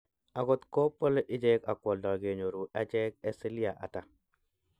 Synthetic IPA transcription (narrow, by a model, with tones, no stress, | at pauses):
a˨ɡɔ˦t̪ko˦pːo˦le˦ʔɪ˦d͡ʒɛ˦ka˨kwɔ˨ldɔ˨ɡe˨ɲo˨ɾu˨a˦d͡ʒɛ˦k̚ɛ˦si˦li˦a˨ʔa̰˨ta˦